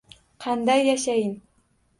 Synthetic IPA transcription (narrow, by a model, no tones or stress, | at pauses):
qʰɑnd̪ɑjːaʃajɪn